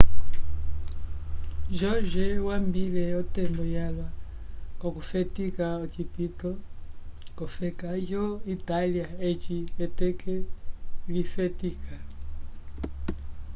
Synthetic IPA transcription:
d͡ʒɔd͡ʒɛwambilɛɔtɛmbɔjalwa | kɔkufɛtikaɔt͡ʃipitɔ | kɔfɛkakɔitaliaet͡ʃiɛtɛkɛlifɛtikʰa

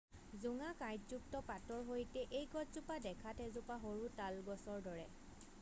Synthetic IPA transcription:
zuŋakajtzuk̚tɔpatɔɹɦojtɛʔejɡɔtzupadɛkʰatʰɛzupaɦoɹutalɡɔsɔɹdɔɹɛ

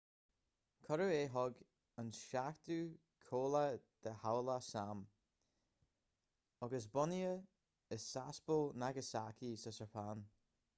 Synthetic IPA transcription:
kʰɔɾəeːɦɔɡ | ənsʃakt̪u | kʰoːləd̪̥əhawlasam | ɔɡəsbɔniə | əsasbəlnaɡəsakʰisəsəpʰaːn

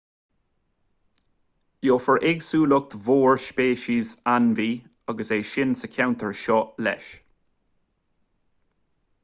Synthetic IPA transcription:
joːfəɹʔɪɡsuːlʊk̚t̪voːɹʃpeːʃizanviː | ɔɡəseːʃɪnsəkʰawnt̪ʰəɹʃɔlɛ̰ʃ

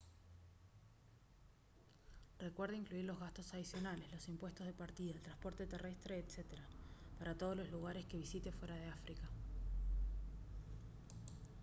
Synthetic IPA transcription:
re̞kwe̞ɾðaiŋkluiɾlo̞zɣast̪o̞saðisjo̞nale̞zlo̞simpwe̞st̪ozðepaɾt̪iðaelt̪ɾãnspo̞ɾt̪et̪ere̞st̪ɾeːt̪set̪eɾapaɾat̪o̞ð̞ozlo̞zluɣaɾe̞ske̞β̞isit̪e̞fwe̞ɾaðeafɾika

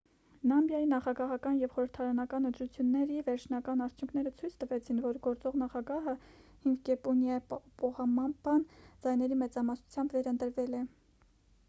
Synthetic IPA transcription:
lɑmbjɑjinɑχɑɡɑɦɑkɑnjɛvχɔɾəɾt̪ʰɑɾɑnɑkɑnənt̪ɾut͡sʰjunːɛɾivɛɾt͡ʃʰnɑkɑnɑɾt͡sʰjuŋkʰnɛɾət͡sʰujt͡sʰt̪əvɛt͡sʰinvɔɾɡɔɾt͡sɔʁnɑχɑɡɑɦəhiŋɡɡɛpunjɑppɔʁɑmɑmbɑnd͡zɑjnɛɾimɛt͡sɑmɑsnu̥t͡sʰjɑmbvɛɾənt̪əɾvɛlɛ

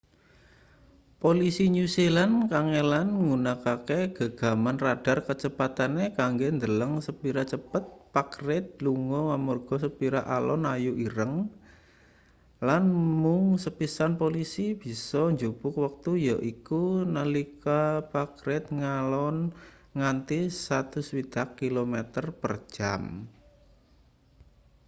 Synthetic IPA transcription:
polisiɲuselankaŋelanŋɡunakakeɡ̥a̤ɡ̥a̤manrad̥arkət͡ʃəpat̪anekaŋɡend̪ələŋsəpiɾat͡ʃəpət̪̚pakrɪt̪̚luŋɔŋamurɡ̥ɔ̤səpiɾaʔalɔ̰najuʔiɾəŋ | lanmʊŋsəpisanpolisib̥i̤sɔɲd͡ʒob̥ʊk̚wək̚t̪ujɔʔikunəlikapakɾɪt̪̚ŋalɔnŋant̪isat̪ʊswid̪̥a̤kːilomet̪ərpər̥ʒ̥a̰m

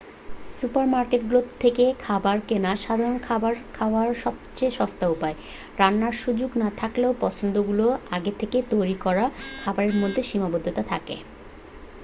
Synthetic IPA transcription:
supaɾmaɾkeʈ̚ɡulot̪ʰːekekʰabaɾkenaʃad̪ʱaɾonkʰabaɾkʰaoaɾʃɔb̚t͡ɕeʃɔst̪aupae | ɾanːaɾʃud͡ʑoɡnat̪ʰakleopɔt͡ɕʰond̪oɡuloaɡet̪ʰeket̪ojɾikɔɾakʰabaɾeɾmod̪ʱːeʃimabod̪ʱːot̪at̪ʰakḛ

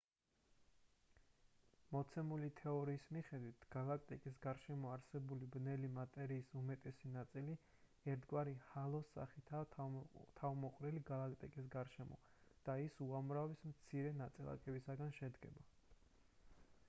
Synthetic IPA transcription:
mɔt̪sʰɛmulit̪ʰɛɔɾiːsmiχɛd̪wit̪ʰɡ̥alˠak̚ʼt̪ʼikʼis̬ɡaɾʃɛmɔaɾsɛbulibnɛlimat̪ʼɛɾiːsumɛt̪ʼɛsinat̪sʼili | ɛɾt̪ʰɡwaɾihalˠɔsːa̰χit̪ʰa | t̪ʰavmɔqʼɾɛliɡalˠakʼt̪ʼḭkʼis̬ɡaɾʃɛmɔ̰ | d̪̥aisuamɾavismt̪sʰiɾɛnat̪sʼilˠa̰kʼɛbisaɡanʃɛd̪ɡɛ̰ba

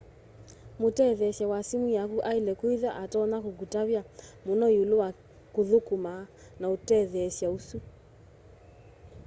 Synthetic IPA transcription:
motɛðɛʃjawasimijakuʔaelɛkoiðaʔatɔnakokutaβjamonɔeolowa | koðokuma | naotɛðɛʃjausu

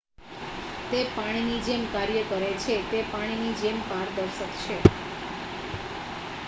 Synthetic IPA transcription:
t̪epaɽ̃inid͡ʒemkaɾjəkəɾet͡ʃʰet̪epaɽ̃inid͡ʒempaɾd̪əɾʃəkt͡ʃʰe

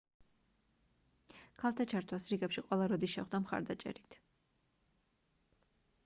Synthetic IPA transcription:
kʰalˠt̪ʰat͡ʃʰaɾt̪ʰwasɾiɡɛpʃiqʼwɛlˠaɾɔd̪isʃɛχd̪amχa̰ɾd̪at͡ʃʼɛ̰ɾit̪ʰ

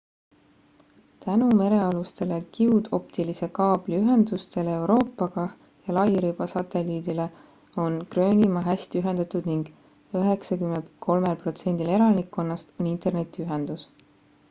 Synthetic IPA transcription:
t̪ænume̞ɾe̞ɑlust̪e̞lekiud̪̥o̞pt̪ilise̞kɑːb̥liyɦe̞nd̪̥ust̪e̞leewɾo̞ːpːˑɑɡ̥ɑ | jɑlɑjɾib̥ɑsɑt̪e̞liːd̪ile̞ | o̞nkrø̞ːnʲimɑɦæsʲt̪iyɦe̞nd̪̥ɑt̪ud̪̥niŋɡ̥ | øɦe̞ksɑkymːent̪kʰo̞lmelpro̞t̪se̞nʲd̪̥ile̞ɾɑnikːˑo̞nːɑst̪o̞nint̪ˑe̞rne̞t̪ːˑiyɦe̞nd̪̥us

